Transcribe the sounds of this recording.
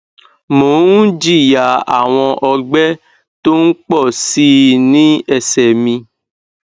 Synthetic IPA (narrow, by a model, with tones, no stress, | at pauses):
mo˨˦n̩˦d͡ʒi˦˨ja˨˦a̰˨w̃ɔ̃˧ʔɔ˧ɡ͡bɛ˦ | to˦n̩˦k͡pɔ˦˨si˦nĩ˦ɛ˦˨sɛ˨mĩ˧